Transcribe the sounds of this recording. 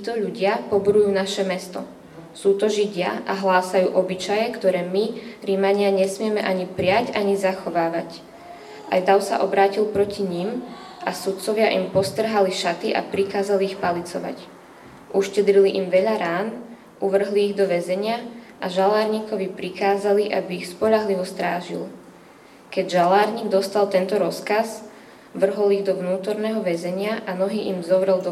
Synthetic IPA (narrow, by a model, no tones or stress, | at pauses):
t̪it̪ɔʎuɟɪapɔbuɾujuːnaʃɛmɛst̪ɔ | suːt̪ɔʒiɟɪa̰ʔaɦlaːsajuːʔɔbit͡ʃajɛkt̪ɔɾɛːmiɾimaɲɪaɲɛsmɪɛmɛʔaɲipɾɪacaɲizaxɔʋaːʋac | a̰jd̪aʊsa̰ʔɔbɾaːcilpɾɔciɲim | asut̪̚t͡sɔʋɪaʔimpɔst̪r̩ɦaliʃat̪iʔa̰pɾikaːzaliːxpalit͡sɔʋa̰c | ʔuʃcɛd̪ɾiliʔimʋɛʎaɾaːn | uʋr̩ɦliːɣd̪ɔʋɛzɛɲɪaʔaʒalaːɾɲiːkɔʋipɾikaːzaliʔa̰biːxspɔʎaɦliʋɔst̪ɾaːʒḭl | kɛɟʒalaːɾɲiːɡ̚d̪ɔst̪alt̪ɛnt̪ɔɾɔskaz | ʋr̩ɦɔliɣd̪ɔʋnuːt̪ɔɾnɛːɦɔʋɛzɛɲɪaʔanɔɦiːʔimzɔʋɾɛld̪ɔ